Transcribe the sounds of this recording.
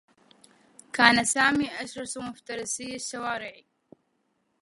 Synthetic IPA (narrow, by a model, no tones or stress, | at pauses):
kaːnasaːmiːʔaʃɾˤɑsmʊft̪ɑɾˤɪsijːaʃːawaːɾɪʕi